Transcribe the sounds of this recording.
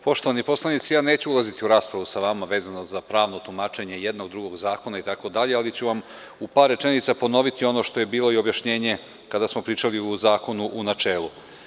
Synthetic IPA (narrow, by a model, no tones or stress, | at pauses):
po̞ʃt̪o̞ʋanipo̞slˠanit̪sijaːne̞ːt͡ɕuulˠazit̪iuɾaːspɾaʋusaʋamaʋe̞ːzano̞zapɾaːʋnot̪umaːt͡ʃe̞ɲe̞jed̪no̞ɡd̪ɾuɡo̞ɡzaːko̞nait̪ako̞d̪aʎe̞alit͡ɕuʋam | upaːɾːe̞t͡ʃe̞nit̪sapo̞no̞ʋit̪io̞no̞ʃt̪o̞je̞biːlˠo̞io̞bjaʃɲe̞ːɲe̞ | kad̪asmo̞pɾiːt͡ʃaliuzaːko̞nuʔunat͡ʃe̞ːlˠu